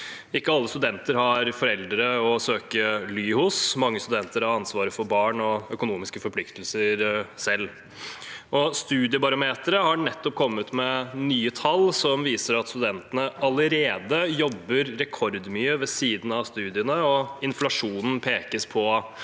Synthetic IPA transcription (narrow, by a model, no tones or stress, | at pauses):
ɪkːəɑlːəst̪ʉd̪ɛnt̪əɾhɑɾfɔɾɛld̪ɾəɔsøːkəlyːhʊsmɑŋːəst̪ʉd̪ɛnt̪əɾhɑɾɑnsʋɑːɾəfɔɾbɑːɳɔœkʊnuːmɪskəfɔɾpʰlɪkt̪əlsəɾsɛlː | ʔɔst̪ʉːd̪ɪəbɑɾʊmeːt̪əɾəhɑɳɛt̪ːɔp̚kʰɔmːət̪mɛnyːət̪ʰɑlːsɔmʋiːsəɾɑt̪st̪ʉd̪ɛnt̪ənəɑləɾeːd̪əjɔbːəɾːɛkʰɔɾd̪mʏøʋɛsiːd̪n̩ɑʋst̪ʉːd̪ɪənəɔɪnflɑʂuːnn̩pʰeːkəspʰɔ